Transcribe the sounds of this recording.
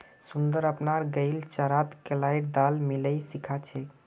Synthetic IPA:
sund̪əɾəpnaɾɡəɪlt͡ʃəɾat̪kelajɾd̪almiləjsikʰat͡ʃʰɛ

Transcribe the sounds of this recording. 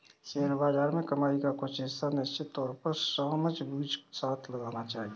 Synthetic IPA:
seːɾbaːd͡ʒaːɾmẽkəmaːikakoʃɪst̪ʰanɪst͡ʃɪt̪ːɔːɾpəɾsəːməd͡ʒbuːd͡ʒsaːt̪ʰləɡaːnat͡ʃaːɦie

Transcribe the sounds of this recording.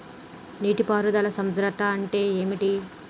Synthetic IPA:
niːʈipaːɾud̪ɐlɐsɐmd̪ɾɐt̪aɐɳʈe̞ːeːmiʈi

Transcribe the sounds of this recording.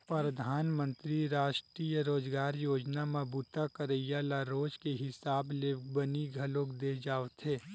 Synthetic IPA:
pɾəd̪ʱaːnmə̃nt̪ɾiɾaːʃʈɾiːjəɾoːd͡ʒɡaːɾjoːd͡ʒnamɐbuːt̪akəɾəjjalaɾoːd͡ʒkeɦɪsaːblebəniɡʱɐloːkd̪ed͡ʒaːʋt̪ɦeː

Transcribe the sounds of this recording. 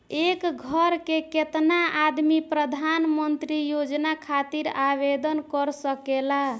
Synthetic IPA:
ekɡʱəɾkeket̪naad̪mipɾəd̪ʱanmənt̪ɾijod͡ʒnakʰat̪iɾabed̪ənkəɾsəkela

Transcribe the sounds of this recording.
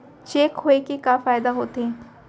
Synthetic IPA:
t͡ʃeːkɦoekekafaːjd̪aɦoːt̪eɦɛ̃ː

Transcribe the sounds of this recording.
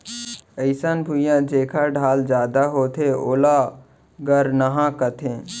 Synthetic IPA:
əɪsənbʱujãd͡ʒeːkʰaɖʱaːld͡ʒjaːd̪aɦoːt̪ʰeo̰ːla | ɡəɾnəɦãkət̪ʰẽː

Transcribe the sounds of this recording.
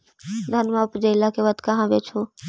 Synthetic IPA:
d̪ʱɐnmaʊpd͡ʒeːlakeʋad̪kɐɦãbeːt͡ʃʰoː

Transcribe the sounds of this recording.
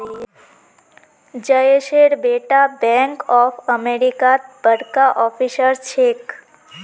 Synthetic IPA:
d͡ʒəjeʃeɾbeʈabɛ̃ŋkɔfəmeɾikat̪̚bəɽkaʔɔfisəɾt͡ʃʰek

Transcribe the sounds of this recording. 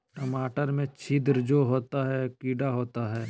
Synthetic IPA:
ʈəmaːʈəɾmẽt͡ʃʰid̪ɾd͡ʒoɦoːt̪aɦɛkiːɖaɦoːt̪aɦɛː

